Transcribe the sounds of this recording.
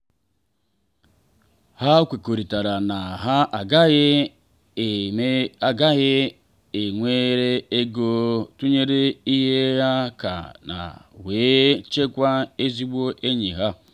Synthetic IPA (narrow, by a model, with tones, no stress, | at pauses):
ha˦kʷe˨ko˨ɾi˨ta˨ɾa˨na˨ɦa˦a˨ɡa˦e˦˨˦ | ɡa˦ | e˨ŋʷe˦ɾe˦e˦ɡo˦tu˦ɲe˦ɾe˦i˦ɦe˦ja˦ka̰˨na̰˨we˨˦t͡ʃe˦kʷa˦e˦zi˦bo˦ʔe˦ɲi˨ɦa˦